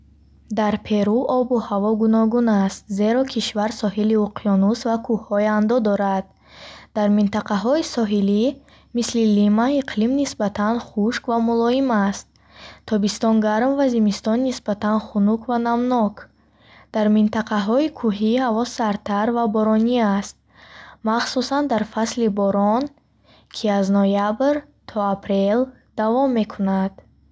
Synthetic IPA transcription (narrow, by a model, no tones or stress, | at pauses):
d̪aɾpʰe̞ɾuʔɔbuhavɔɡunɔɡunast̪ze̞ɾɔkʰiʃvaɾsɔɦiliuqʰijɔnusvakʰuhːɔjand̪ɔd̪ɔɾad̪̥̚ | d̪̥aɾmint̪aqaɦɔisɔɦili | mislilimaiqʰlimnisbat̪ʰanχuʃkvamulɔimast̪̚ | t̪ʰːɔbist̪ɔnɡaɾmvazimist̪ɔnːisbat̪anχunukʰvanamnɔkʰ | d̪̥aɾmint̪aqʰaɦɔikʰuɦihavɔsːaɾt̪ʰaɾvabɔɾɔniast̪̚ | maχsusand̪aɾfaslibɔɾɔn | kʰiaznɔjabɾ | t̪ʰɔapʰɾel | d̪̥avɔmːe̞kʰunad̪̥